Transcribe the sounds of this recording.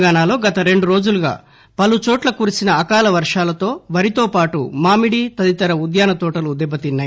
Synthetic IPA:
ɡaːnaːlo̞ːɡɐt̪ɐɾe̞ɳɖuɾo̞ːd͡ʒuluɡa̰ː | pɐlut͡ʃoːʈlɐkuːɾisinɐːkaːlɐʋɐɾʂaːlɐt̪o̞ːʋɐɾit̪o̞ːpaːʈṵmaːmiɽiːt̪ɐd̪it̪ɐɾɐud̪jaːnɐt̪ɔːʈɐluːd̪ɛbɐt̪inːaː

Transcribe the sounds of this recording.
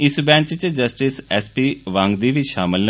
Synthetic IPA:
ɪsbɛ̃ːnt͡ʃt͡ʃd͡ʒəsʈɪsɛːspiːʋãŋɡd̪iːʋiʃaːmɪln

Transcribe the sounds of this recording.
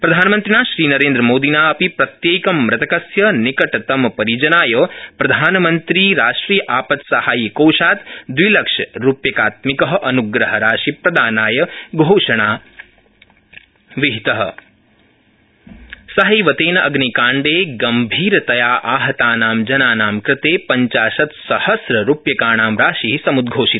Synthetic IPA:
pɾɐd̪ʱaːnɐmɐnt̪ɾinaːʃɾiːnɐɾẽːnd̪ɾɐmoːd̪inaːɐpipɾɐt̪jeːkɐmːɾɐt̪ɐkɐsjɐnikɐʈɐt̪ɐmɐpɐɾid͡ʒɐnaːjɐpɾɐd̪ʱaːnɐmɐnt̪ɾiːɾaːʂʈɾiːjɐʔaːpɐt̪sɐhaːjkoːʃaːt̪d̪ʋilɐkʂɐɾupjɐkaːt̪mikɐɦɐʔɐnuɡɾɐɦɐɾaːʃipɾɐd̪aːnaːjɐɡʱoːʂɐɳ̃aː | ʋiɦit̪ɐɦɐ̰̆ | sɐɦɐjʋɐt̪eːnɐʔɐɡnikaːɳɖeːɡɐmbʱiːɾɐt̪ɐjaːʔaːɦɐt̪aːnaːmd͡ʒɐnaːnaːmkɾɪt̪eːpɐɲt͡ʃaːʃɐt̪sɐhɐsɾɐɾupjɐkaːɳaːmɾaːʃiɦisɐmud̪ɡʱoːʃit̪

